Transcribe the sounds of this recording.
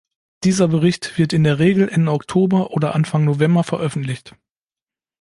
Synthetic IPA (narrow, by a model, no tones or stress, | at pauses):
d̥iːzɐbəʁ̞ɪçtv̥ɪɐtɪndeːɐʁeːɡl̩ʔɛndəɔktʰoːbɐʔoːdɐʔanfaŋnovɛmbɐfɛɐʔœfn̩tlɪçt